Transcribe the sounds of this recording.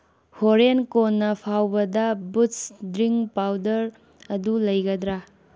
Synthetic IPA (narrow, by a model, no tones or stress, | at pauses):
hoɾenkonːɐpʰawbɐdɐbusdɾiŋpawdɐɾ | ɐdulɐjɡɐdɾa